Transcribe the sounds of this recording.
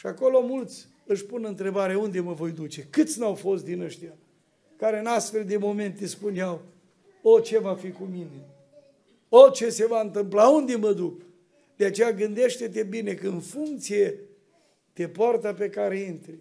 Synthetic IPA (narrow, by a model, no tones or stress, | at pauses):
ʃiako̞lo̞mult̪sʲ | ɨʃpunɨnt̪ɾe̞baɾeaund̪e̞məvo̞jd̪ut͡ʃe̞kɨt̪sʲnawfo̞st̪̚d̪inəʃt̪ija | kaɾeɨnast̪fe̞ld̪e̞mo̞me̞nt̪ːespuneaw | ot͡ʃe̞vafikumine̞ | ot͡ʃe̞se̞vaɨnt̪ɨmplaund̪e̞məd̪uk | d̪̥eat͡ʃe̞jaɡɨnd̪e̞ʃt̪e̞t̪e̞bine̞kəɨnfuŋk̚t̪sije̞ | t̪e̞poart̪ape̞kaɾe̞int̪ɾi